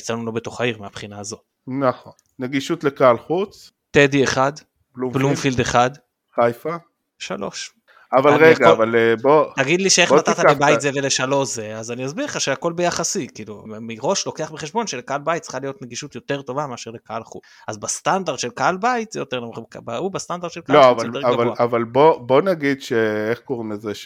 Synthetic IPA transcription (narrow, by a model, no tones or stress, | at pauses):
it͡sanulo̞beto̞χaiʁmeapχinaːzo̞t | naχon | neɡiʃut̪lekaalχut͡s | tedieχad | bluplumfild̪eχad | χajfa | ʃa̰lo̞̰ʃ | avalʁeɡaovalbot̪aɡid̪liʃeeχatat̪alebajtt̪zeveleʃalo̞zeazanijazbiʁχaʃeako̞lbejaχasikilumiʁo̞ʃlo̞ke̞aχbeχeʃbo̞nʃelekaalbajit̪t͡si̥χalijo̞t̪neɡiʃut̪jo̞te̞ʁt̪o̞vameaʃeʁlekaalχṵ | azbast̪and̪aʁd̪ʃe̞lkaalbajit̪zejot̪e̞ʁlamkabaubast̪and̪aʁdʃelkaloavaleaɡavalavalbobo̞naɡidʃeeχkoʁimezeʃ